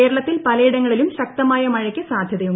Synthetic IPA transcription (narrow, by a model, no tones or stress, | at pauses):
e̞ːɾɐɭɐt̪ːilpɐlɐjiɽɐŋːɐɭilumɕɐk̚t̪ɐmaːjɐmɐɻɐkʲːɨsaːd̪ʱjɐðɐjum